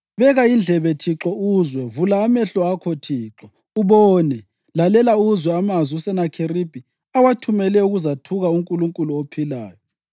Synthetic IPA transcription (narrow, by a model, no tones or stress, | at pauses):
βɛɣaind͡ɮʱɛβetʰiǁɔuzwɛvulaːmɛɬɔakʰɔtʰiːǁɔ | uβɔːnɛ | lalɛlauzwɛamaziusɛnakʰerib̥ʱi | awatʰumɛlɛuɣuzatʰuɣauŋkʼuluŋkʼuluopʰila̰ːjɔ